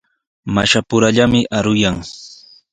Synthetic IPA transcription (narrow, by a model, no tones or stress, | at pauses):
maʃapʊɾaʎamɪʔaɾʊjaŋ